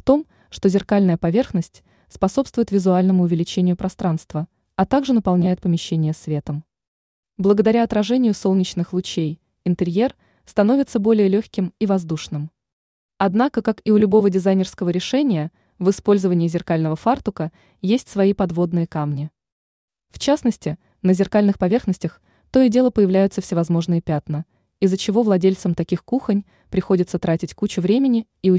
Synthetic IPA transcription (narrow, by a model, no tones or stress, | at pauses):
ft̪o̞m | ʂt̪ozʲɪrkalʲnəjəpɐvʲe̞rxnəsʲtʲ | spɐso̞pst̪vʊjɪt̪vʲɪzʊalʲnəmʊːvʲɪlʲɪt͡ɕenʲɪjʊpɾɐst̪ɾanst̪və | ɐt̪aɡʐɨnəpɐlˠnʲæjɪt̪̚pəmʲɪɕːenʲɪjəsvʲe̞t̪əm | blˠəɡəd̪ɐɾʲaɐt̪ɾɐʐɛnʲɪjʊso̞lˠnʲɪt͡ɕnɨxlˠʊt͡ɕej | ɪnt̪ɨɾʲje̞r | st̪ɐno̞vʲɪt̪səbo̞lʲɪjəlʲoçʲkʲɪmivɐzd̪uʂnɨm | ɐd̪nakəkakiʊlʲʊbo̞vədʲɪzajnʲɪrskəvəɾʲɪʂɛnʲɪjə | vɨspo̞lʲzəvənʲɪːɪzʲɪrkalʲnəvəfart̪ʊkə | jesʲtʲsvɐipɐd̪vo̞d̪nɨjəkamnʲɪ | ft͡ɕasnəsʲtʲɪ | nəzʲɪrkalʲnɨxpɐvʲe̞rxnəsʲtʲɪx | t̪o̞ɪdʲe̞lˠəpəjɪvlʲæjʊt̪səfsʲɪvɐzmo̞ʐnɨjəpʲat̪nə | izːət͡ɕɪvo̞vlˠɐdʲelʲt̪səmt̪ɐkʲixkuxənʲ | pɾʲɪxo̞dʲɪt̪sət̪ɾatʲɪtʲkut͡ɕʊvɾʲemʲɪnʲɪːʊ